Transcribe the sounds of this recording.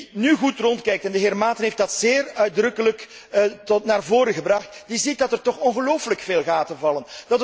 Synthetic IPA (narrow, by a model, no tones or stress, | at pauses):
nyɣutrɔntkɛjktɛndəɦɪːrmaːtənɦeftd̥ɑtzeːrœɥdrɵkələkː | tɔtnaːrvoːɾəɣəbrɑxtdizit̚dɑtɛrtɔχɔnɣəloːwfləkfeːlˠɣaːtəvɑlənd̥ɑt